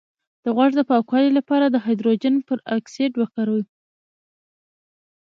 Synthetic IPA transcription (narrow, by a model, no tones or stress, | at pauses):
d̪̥əɣwaʐd̪əpɑkwɑlilapɑɾad̪əɦɑjd̪ɾod͡ʒanpəɾakseɖwakaɾw